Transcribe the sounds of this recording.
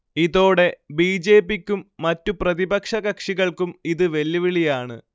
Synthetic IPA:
iðo̞ːɽe̞biːd͡ʑe̞ːpːikʲːumːɐtːuprɐðibɐkʂɐɣɐkʂiɣɐɭkumiðɨʋe̞lːiʋiɭijaːɳɨ̰

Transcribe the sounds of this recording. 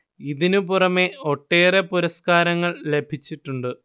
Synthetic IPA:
iðinupurɐme̞o̞ʈːe̞ːre̞puɾɐskaːɾɐŋːɐɭle̞bʱit͡ɕːiʈːuɳɖɨ

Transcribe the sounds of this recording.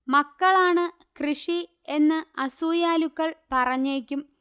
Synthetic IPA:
mɐkːɐɭaːɳɨ | krɨʂi | e̞nːɨɐsuːjaːlukːɐɭpɐrɐɲːeːkʲːum

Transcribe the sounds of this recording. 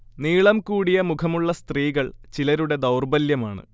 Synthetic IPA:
niːɭɐmkuːɽijɐmukʰɐmuɭːɐst̪riːɣɐɭt͡ɕilɐɾuɽe̞d̪ɐwrbɐljɐmaːɳɨ̰

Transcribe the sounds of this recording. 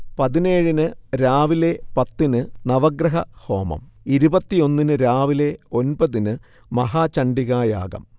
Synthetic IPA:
pɐðineːɻinɨɾaːʋile̞pɐt̪ːinɨnɐʋɐɡɾɐɦɐho̞ːmɐ̰miɾubɐt̪ːijo̞nːinɨɾaːʋile̞o̞nbɐðinɨ | mɐɦaːt͡ɕɐɳɖiɣaːja̰ːɡɐ̰m

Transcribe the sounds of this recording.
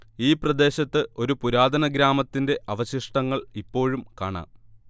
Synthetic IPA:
iːprɐd̪e̞ːɕɐt̪ːɨo̞ɾupuɾaːd̪ʱɐnɐɡɾaːmɐt̪ːinde̞ʔɐʋɐɕiʂʈɐŋːɐɭipːo̞ːɻumka̰ːɳa̰ː

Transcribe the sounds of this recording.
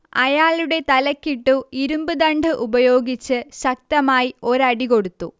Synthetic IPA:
ɐjaːɭuɽe̞t̪ɐlɐkːiʈːuiɾumbɨd̪ɐɳɖɨʔubɐjo̞ːɡit͡ɕːɨɕɐk̚t̪ɐmaːjio̞ɾɐɽiko̞ɽut̪ːu

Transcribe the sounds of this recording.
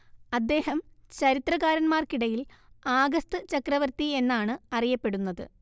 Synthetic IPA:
ɐd̪ːe̞ːɦɐmt͡ɕɐɾit̪rɐɣaːɾɐnmaːrkiɽɐjilaːɡɐst̪ɨt͡ɕɐkrɐʋɐrt̪ie̞nːaːɳɨɐrijɐpːe̞ɽunːɐðɨ

